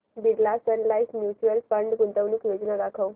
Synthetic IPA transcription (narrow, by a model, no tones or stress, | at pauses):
biɽlasənlaismjut͡ɕuəlfəɳɖɡunt̪əʋnuːkjod͡znad̪akʰəw